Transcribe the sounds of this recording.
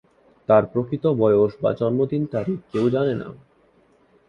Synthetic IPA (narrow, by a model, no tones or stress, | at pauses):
t̪aɾpɾokɾit̪obɔeoʃba̰t͡ɕɔnmod̪int̪aɾikewd͡ʑanena̰